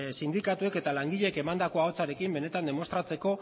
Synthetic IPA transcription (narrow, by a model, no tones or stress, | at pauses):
sind̪ikat̪ue̞ke̞t̪alaŋɡiʎe̞ke̞mand̪ako̞ao̞t͡saɾe̞kimbe̞ne̞t̪and̪e̞mo̞st̪ɾat͡se̞ko̞